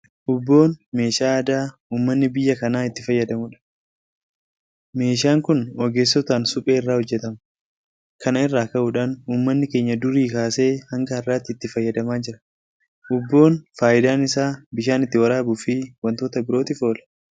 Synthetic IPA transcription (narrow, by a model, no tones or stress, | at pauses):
ʔʊbːo̞ːnme̞ːʃaːɐd̪aː | uːmːɐnːɪbɪjːɐkɐnaːɪt̪ːɪfɐjːɐd̪ɐmʊᶑɐ̥ | me̞ːʃ̬aːŋkʊnɔɡe̞ːsːɔt̪aːnsʊpʼe̞ːɪrːaːhɔd͡ʒːɛt̪ɐm | kɐnɐɪrːaːkɐʔʊᶑaːnuːmːɐnːɪke̞ːɲːɐd̪ʊɾiːkaːse̞ːhɐŋɡɐɐrːaːt̪ːɪːt̪ːɪfɐjːɐd̪ɐmaːd͡ʒɪɾɐ̥ | ʔʊbːo̞ːnfaːʔɪd̪aːnɪsaːbɪʃaːnɪt̪ːɪwɐɾaːbʊfiwɐnt̪oːt̪ɐbɪɾo̞ːt̪ɪfo̞ːlɐ̥